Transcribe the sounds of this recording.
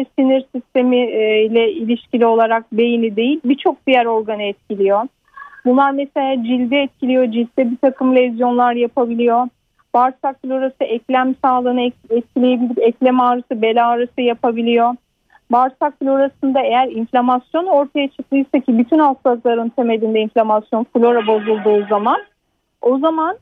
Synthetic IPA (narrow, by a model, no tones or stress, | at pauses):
siniɾsist̪ʰe̞milʲɛilʲiʃcilʲio̞lˠaɾak̚be̞jinid̪e̞jilʲbit͡ʃʰo̞k̚d̪ijæɾo̞ɾɡanɯɛt̪̚cilʲijo̞ | bunlˠaɾmese̞lʲaːd͡ʒilʲd̪ɛːt̪̚cʰilʲijo̞d͡ʒilʲd̪ɛbit̪ʰakʰɯmlʲevizjo̞nlˠaɾjapʰabilʲijo̞ | baɾsak̚t̪ilʲoɾasɯʔɛclʲæmsaːlˠɯnɯɛt̪̚cʰilʲejebilʲipɛclʲemaːɾɯsɯbe̞lʲaːɾɯsɯjapʰabilʲijo̞ | baɾsakfulʲo̞ɾasɯnd̪ae̞jæɾinflʲamasjo̞no̞ɾt̪ʰajat͡ʃʰɯklˠɯjsacʰibyt̪ʰynalˠst̪azlˠaɾɯnt̪ʰe̞me̞d̪ʲind̪ɛinflʲamasjo̞nfulʲˠo̞ɾabo̞zulˠd̪uːzaman | o̞zaman